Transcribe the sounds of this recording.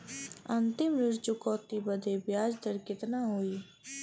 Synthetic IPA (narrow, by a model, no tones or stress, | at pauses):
ənt̪ɪmɾɪɾd͡ʒʊkɔːt̪iːbəd̪eːbjaːd͡ʒd̪əɾkɪt̪naːɦoːiː